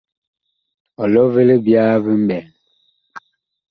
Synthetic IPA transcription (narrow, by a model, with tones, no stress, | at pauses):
ɔ˨lɔ˦ve˦le˦bjaː˦βi˦m̩˦bɛ˨l